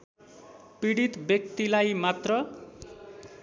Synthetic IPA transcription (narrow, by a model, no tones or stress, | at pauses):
piɽit̪bjʌk̚t̪ilajmat̪rʌ